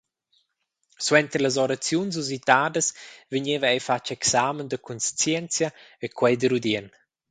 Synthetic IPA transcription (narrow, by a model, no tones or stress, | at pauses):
swɛnt̪ɾləz̬ɔɾat͡sjuns̬uzit̪aːd̪əsvəɲevəɛjfat͡ʃɛksamənd̪əkʰunst͡sjɛnt͡sjaekʰwɛjd̪əɾud̪ɛn